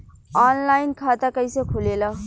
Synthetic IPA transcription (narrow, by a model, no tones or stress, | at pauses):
aːnlainkʰat̪akəjsekʰulela